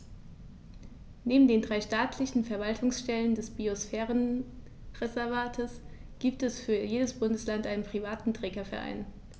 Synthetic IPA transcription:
neːbm̩deːndʁaɪʃtaːtʰlɪçn̩fɛɐvaltʰʊŋsʃtɛləndɛsb̥iosfɛːʁən | ʁɛzɛɐvaːtʰəsɡ̥iːp̚tɛsfyːɐjeːdəsb̥ʊndəslantʔaɪnənpʁ̥ivaːtn̩tʁ̥ɛːɡɐfɛɐʔa̰ɪn

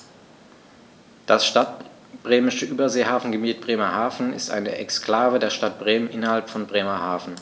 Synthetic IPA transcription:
d̥asʃtat | b̥ʁeːmɪʃəʔyːbɐzeːhaːfn̩ɡəmiːt̚b̥ʁeːmɐhaːfn̩ɪ̰stʔa̰ɪnəʔɛksklaːvədeːɐʃtat̚b̥ʁeːmənʔɪnɐhalpfɔnbʁeːmɐhaːfn̩

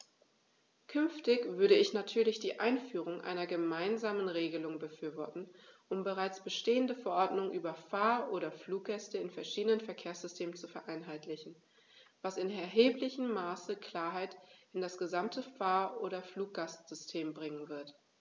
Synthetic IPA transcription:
kʰʏnftɪçv̥ʏɐɾəɪçnatʰyːɐlɪçd̥iːʔaɪnfyːʁ̞ʊŋʔa̰ɪnɐɡəmaɪnzaːmənʁeːɡəlʊŋbəfyːɐvɔɐtn̩ʔʊmbəʁaɪt͡sb̥əʃteːəndəfɛɐʔɔɐdnʊŋʔyːbɐfaːɐʔoːɾɐfluːk̚ɡ̥ɛstəɪnfɛɐʃiːdənənfɛɐkʰeːɐsz̥ʏstʰeːmənt͡sufɛɐʔaɪnɦaɪtlɪçn̩ | vasɪnɛɐɦeːplɪçəmːaːsəkʰl̥aːɐɦaɪtɪndasɡ̥əzamtʰəfaːɐʔoːɾɐfluːk̚ɡ̥astz̥ʏstʰeːmbʁɪŋənvɪɐt

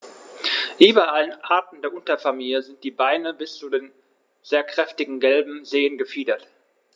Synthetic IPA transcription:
ʔyːbɐʔalənʔaɐtn̩deːɐʔʊntɐfamiːljəzɪnt̚d̥iːbaɪnəbɪst͡sudeːn | z̥eːɐkʁ̥ɛftɪɡŋ̩ɡɛlbm̩zeːənɡəfiːdɐt

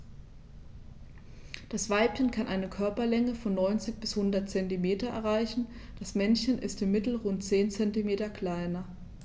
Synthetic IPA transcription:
d̥asv̥aɪpçənkʰanʔaɪnəkʰœɐpɐlɛŋəfɔnːɔʏnt͡sɪçb̥ɪshʊndɐtt͡sɛntimeːtɐʔɛ̰ɐʁ̞aɪçn̩ | d̥asmɛnçənʔɪstɪmːɪtl̩ʁʊnt̚t͡seːnt͡sɛntimeːtɐkʰl̥aɪnɐ

